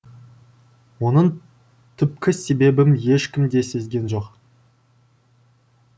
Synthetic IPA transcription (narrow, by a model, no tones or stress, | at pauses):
wo̞nəɴ | t̪ʰʏp̚kʲɪse̞be̞bɪmje̞ʃkʲɪmd̪e̞se̞zɡʲe̞nʒo̞q